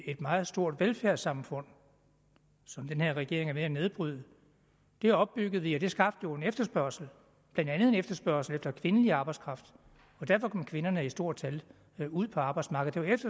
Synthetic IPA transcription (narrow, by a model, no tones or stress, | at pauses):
e̝d̥mɑ̈ːð̩ˠsd̥o̝ɐ̰d̥ʋelfæɐ̰̥sɑ̈mfɔ̽n̰ | sɒ̽md̥enhe̝ɐ̰ʁɛɡ̥e̝ɐ̰e̝ŋæɐmeæne̝ðˠb̥ʁyð̰ˠə | d̥e̝æɒ̽b̥̚ːyɡ̥əð̩ˠʋiɒd̥e̝sɡ̥ɑ̈b̥d̥jo̝e̝nefd̥ɐsb̥ɶɐ̰sl̩ | b̥lænd̥ænð̞̩ˠe̝nefd̥ɐsb̥ɶɐsl̩efd̥ɐkʰʋe̝nəliɑ̈ːb̥ɑ̈ɪdskʰʁɑ̈fd̥ | ɒ̽d̥æɐ̰fɒ̽kʰɒ̽mkʰʋe̝nɐnəisd̥o̝ɐ̰̥t͡sʰæl | uð̰ˠpʰɒɑ̈ːb̥ɑ̈ɪdsmɑ̈ːɡ̥ð̩ˠd̥eʋefd̥ɐ